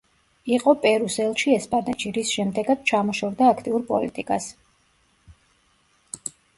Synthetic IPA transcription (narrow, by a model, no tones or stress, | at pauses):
iqʼɔpʼɛɾusɛlˠʃiɛspʼanɛʃiɾisʃɛmd̪ɛɡad̪̚t͡ʃʰamɔʃɔɾd̪aːkʰt̪ʼiuɾpʼɔ̰lit̪ʼikʼas